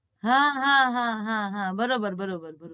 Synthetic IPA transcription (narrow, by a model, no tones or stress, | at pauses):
ɦãɦãɦãɦãɦãbɐɾoːbəɾbɐɾoːbəɾbɐɾo